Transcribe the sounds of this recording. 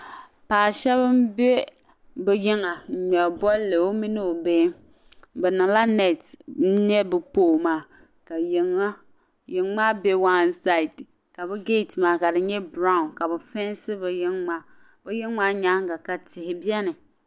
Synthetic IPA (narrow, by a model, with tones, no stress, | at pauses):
paː˨ʃɛ˦βɨ˦mbɛ˦ | bɛ˨jɪ˦ŋa˨ɲɔ˨bɔ˦lːɨ˨o˦mi˦nɨ˦o˨be˦ | bɛ˨nɨ˨ŋla˦nɛ˨t̩˦ɲɛ˦bɨ˨poː˦˨maː˦ | ka˨ji˨ŋa˦ | jɪ˨ŋma˦bɛ˦wa˦nsa˦i˨d | ka˨bɛ˦ɡe˦˨tmaː˨ka˨dɨ˨ɲɛ˦bɾa˦ʊ˨nka˨bɛ˨fɛ˦n˦sɨ˦bɨ˨jɪ˦ŋma˦ | bɛ˦jɪ˦ŋma˦ɲa˦ŋ˦ɡa˨ka˨tɪ˨hɪ˨bi˦ɛ˦nɨ˨